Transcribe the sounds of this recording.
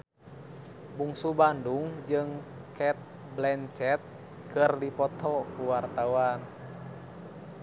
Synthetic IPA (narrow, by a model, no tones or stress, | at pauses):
buŋsubanduŋd͡ʒɨŋ | kɛt̪̚ | blɛnt͡ʃɛt̪̚ | kɨrdipɔt̪ɔkuwart̪awan